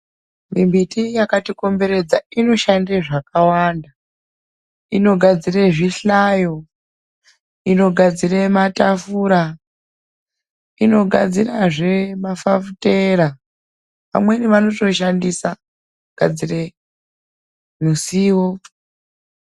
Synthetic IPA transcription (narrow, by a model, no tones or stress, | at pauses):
mimbʱitijakatiko̞mbe̞ɾe̞d͡zaino̞ʃandeʐakawanda | ino̞ɡʱad͡zireʐiɬajo̞ | ino̞ɡʱad͡zirematafuɾa | ino̞ɡʱa̰d͡ziraʐe̞mafafute̞ɾa | ʋa̰mwe̞niʋano̞to̞ʃandisa | ɡ̥ʱa̰d͡zire | musiːwo